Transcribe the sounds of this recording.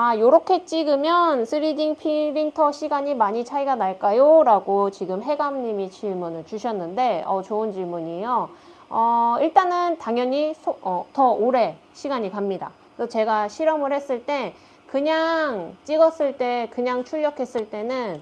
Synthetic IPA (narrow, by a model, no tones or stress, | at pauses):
ajoɾokʰe̞t͡ɕ͈iɡɯmjʌnsʰɯɾidiŋpʰiɾiŋtʰʌɕʰiɡaɲimaɲit͡ɕʰaiɡanaɭk͈ajoɾaɡot͡ɕiɡɯmɦe̞ɡamɲimit͡ɕiɭmunɯɭt͡ɕuɕʰʌnːɯnde̞ʌt͡ɕoɯnt͡ɕiɭmuɲijo | ʌiɭt͈anɯntaŋjʌɲisʰoʌtʌoɾe̞ | ɕʰiɡaɲikamɲida̰ | sʰʌt͡ɕe̞ɡaɕʰiɾʌmɯɭhe̞s͈ɯɭt͈e̞ | kɯɲaŋt͡ɕ͈iɡʌs͈ɯɭt͈e̞kɯɲaŋt͡ɕʰuʎːʌkʰe̞s͈ɯɭt͈e̞nɯn